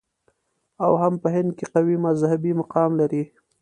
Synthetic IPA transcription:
awhampəɦɪnd̪̚keqawimazhabimaqɑmlaɾi

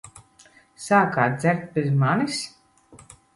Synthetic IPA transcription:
saːkaːd̪zɛɾt̪̚bʲezmanis

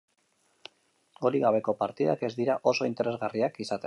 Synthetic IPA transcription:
ɡoɾiɣaβ̞e̞ko̞paɾt̪iða̰ke̞zd̪iɾaʔo̞so̞int̪e̞ɾe̞zɣariakisat̪e

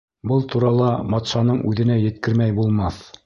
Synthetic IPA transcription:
bɤlˠt̪uɾɑlˠɑmɑt̪ʃɑnɤɴʔʉðɘ̆næjɘ̆t̪kɘ̆ɾmæjbulˠmɑθ

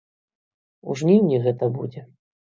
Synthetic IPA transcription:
ṵʐnʲiwnʲiɣɛt̪ɐbṵd͡zʲɛ

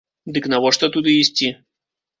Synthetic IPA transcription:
d̪ɨknɐvɔʂt̪ɔt̪ud̪ɨisʲtʲi

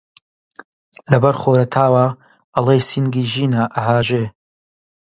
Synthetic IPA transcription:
lɐbɐɾχoːɾɐt̪ʰaːwa | ɐlˠeːjsinɡiːʒiːnaʔɐɦaːʒeː

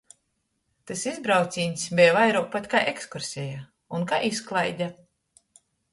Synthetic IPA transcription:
t̪ɨsizbɾawt̪sʲiːnʲsʲbʲɛjvajɾuɔk̚pat̪ʲkajʔekskuɾsʲɛja | unkaʔisklˠajd̪ʲa

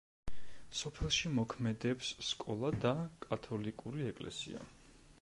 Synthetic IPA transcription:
sɔpʰɛlˠʃimɔkʰmɛd̪ɛpsːkʼɔlˠad̪akʼat̪ʰɔlikʼuɾiɛkʼlɛ̰sḭa̰

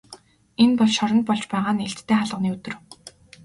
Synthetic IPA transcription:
enpɔɮʃɔɾɞ̆nt̪̚pɔɮt͡ɕpæːʁaːneɬt̪ːʰeːχaɮʁə̆niːɵt̪ɵ̆r

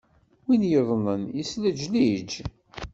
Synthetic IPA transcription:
winjəðˤnənisləd͡ʒlid͡ʒ

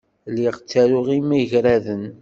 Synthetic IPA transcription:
liʁt͡sːæɾʊʁimiʝɾæðən

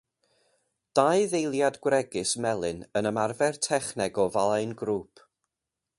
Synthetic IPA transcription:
d̥aɨðejlˠjadɡwrɛɡɨsmɛlˠɨnənəmarvɛrtʰɛχnɛɡɔvalˠaɨnɡɾuːpʰ

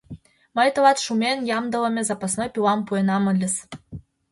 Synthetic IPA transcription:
məjt̪ɤ̆lɑt̪ʃumʲenjɑmd̪ɤ̆lə̆mʲezɑpɑsnojpʲilɑmpuenɑməlʲəs

